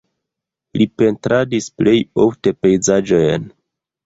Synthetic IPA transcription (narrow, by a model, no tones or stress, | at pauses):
lipe̞ntɾadisple̞jo̞fte̞pe̞jzad͡ʒo̞jn